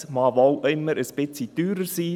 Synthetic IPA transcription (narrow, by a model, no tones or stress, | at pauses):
mɑːvowʔɪmːəɾəspɪt͡sit̪yːɾəɾsiː